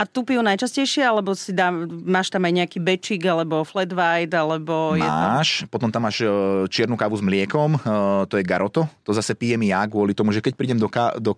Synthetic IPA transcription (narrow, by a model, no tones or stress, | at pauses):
ʔat̪upijunajt͡ʃascɛjʃɪɛalɛbɔsid̪aːmaːʃt̪amajɲɛakiːbɛt͡ʃiːɡalɛbɔflɛd̪ʋajd̪alɛbɔjmɛa̰ʃpɔt̪ɔmt̪amːaːʃt͡ʃɪɛɾnukaːʋuzmlɪɛkɔmt̪ɔjɛɡaɾɔt̪ɔt̪ɔzasɛpiːjɛmijaɡʊɔlit̪ɔmuʒɛkɛc̚pɾiːɟɛmd̪ɔkad̪ɔ